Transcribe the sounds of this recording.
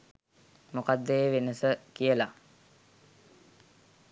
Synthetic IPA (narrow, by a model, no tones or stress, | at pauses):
mukad̪ːeʋenəsəkijəla